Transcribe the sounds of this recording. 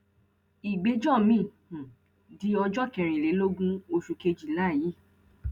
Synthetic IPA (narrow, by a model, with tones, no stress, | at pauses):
i˨ɡ͡be˨˦d͡ʒɔ˦˨mĩ˦˨hũ˨ | di˦ɔ˧d͡ʒɔ˦˨kɛ˧˨ɾ̃ĩ˨le˨˦lo˦ɡũ˦o˧ʃu˧ke˧d͡ʒi˨la˦˨ji˨˦˨